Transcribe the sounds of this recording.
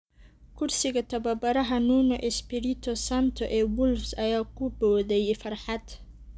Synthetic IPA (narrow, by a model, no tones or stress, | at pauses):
kʰʊrsɪɣɐt̪ʰɐβɐbɐɾɐɦɐnuːnɔʔɛspɪɾɪt̪ʰɔsant̪ʰɔʔɛːwʊlfsɐjaːkʰʊbɔːðɛjɛfɐrħɑd̪